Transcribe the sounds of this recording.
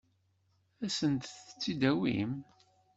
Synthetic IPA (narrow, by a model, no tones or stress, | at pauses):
æsənt̪θt͡sːid̪æwḭm